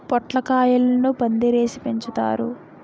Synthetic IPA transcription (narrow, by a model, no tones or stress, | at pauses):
pɔʈlɐkaːjɐlɐɐnupɐnd̪iɾeːsi̥peɲt͡ʃut̪a̰ːɾṵ